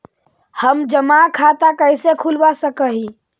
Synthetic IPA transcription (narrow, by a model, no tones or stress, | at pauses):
həmd͡ʒəmakʰat̪akəjsekʰulbasəkəɦi